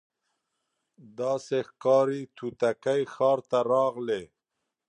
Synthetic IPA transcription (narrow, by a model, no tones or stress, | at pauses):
d̪ɑsexkɑɾit̪ʰut̪akajxɑːɾt̪aɾɑɣle